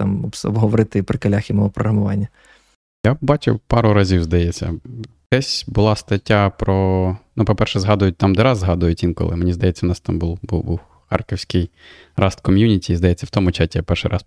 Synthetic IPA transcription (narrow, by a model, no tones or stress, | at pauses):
t̪ɑmɔbɔ̰bɦɔʋɔɾɪt̪ɪpɾɪkɐlʲaxʲɪmɔɔpɾɔɦɾɐmʊʋɑ̰nʲːɐ | jabɑt͡ʃʊ̰wpɑɾʊɾɐzʲiwzd̪ɐjɛt͡sʲːɐ̰d̪̥ɛsʲbʊlˠɑst̪ɐtʲːapɾɔnupɔpɛrʃɛzɦɑd̪ʊjʊt̚ʲt̪ɑmd̪ɛɾɑzːɦɑd̪ʊjʊtʲʋʲinkɔ̰lˠɪ̰menʲizd̪ɐjɛt͡sʲːɐʊnɑst̪ɑmbulˠbṵbuw | xɑ̰rkɪwsʲkɪj | rɑst̪kɔmʲjunʲitʲiːzd̪ɐjɛt͡sʲːɐwt̪ɔmʊt͡ʃatʲijapɛrʃɪ̰ɾʔɑs